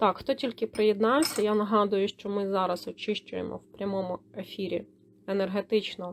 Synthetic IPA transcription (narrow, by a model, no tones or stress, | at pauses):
t̪ɑkxt̪ɔtʲilʲkɪpɾejed̪nɑwsʲɐjanɐɦɑd̪ʊjʊʃt͡ʃɔmɪzɑɾɐsɔt͡ʃɪʃt͡ʃʊjḛmʔɔ̰wpɾʲɐmɔmʊe̞fʲiɾʲḭ | enerɦet̪ɪt͡ʃnɔ